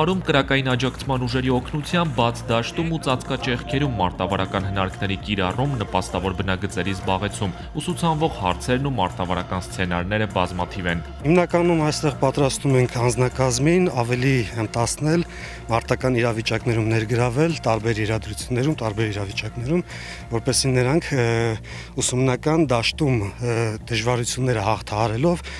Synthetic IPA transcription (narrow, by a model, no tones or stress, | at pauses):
ɾumkəɾɑkɑjinɑd͡ʒɑkt͡sʰmɑnuʒɛɾiɔkʰnut͡sʰjɑmbːɑt͡sʰd̪ɑʃt̪umut͡sɑt͡skɑt͡ʃɛχkʰɛɾumːɑɾt̪ɑvɑɾɑkɑnɦənɑɾkʰnɛɾikiɾɑrumnəpɑst̪ɑvɔɾbənɑɡət͡sɛɾizbɑʁɛt͡sʰum | usut͡sʰɑnvɔʁhɑ̰ɾt͡sʰɛɾnumɑɾt̪ɑvɑɾɑ̰kɑnst͡sʰɛnɑɾnɛɾəbɑzmɑt̪ʰivɛn | himnɑkɑnumɑjst̪ɛʁpɑt̪ɾɑst̪umɛŋkʰɑnd͡znɑkɑzminɑvɛliənt̪ɑsnɛl | mɑɾt̪ɑkɑniɾɑvit͡ʃɑknɛɾumnɛɾɡəɾɑvɛlt̪ɑɾbɛɾjɛɾɑd̪ɾut͡sʰjunːɛɾumt̪ɑɾbɛɾiɾɑvit͡ʃɑknɛɾum | vɔɾpɛsinəɾɑŋkʰ | usumnɑkɑnd̪ɑʃt̪umd̪̥əʒvɑɾut͡sʰjunːɛɾəhɑχt̪ʰɑɦɑɾɛlɔv